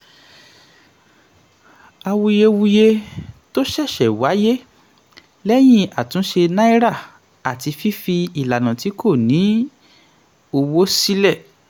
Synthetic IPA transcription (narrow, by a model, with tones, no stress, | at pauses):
a˧wu˧je˧wu˧je˧to˦ʃɛ˦˨ʃɛ˨wa˨˦je˦ | lɛ˦j̃ĩ˦a˨tũ˨˦ʃe˧nã˦i˦ɾa˦˨ | a˨ti˧fi˦fi˧i˨la˨nã˨ti˨˦kʰo˦˨nĩ˨˦ | o˧wo˦si˦lɛ˦˨